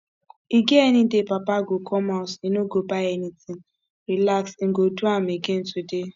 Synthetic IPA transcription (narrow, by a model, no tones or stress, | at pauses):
iɡeenidepapaɡokʰɔmasenoɡobaenitin | ɾilaksŋ̩ɡoduam̩eɡen̩tude